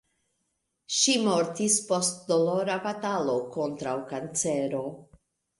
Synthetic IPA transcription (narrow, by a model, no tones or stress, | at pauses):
ʃimo̞ɾtispo̞st̚dolo̞ɾabatalo̞ko̞ntɾawkant͡se̞ɾo̞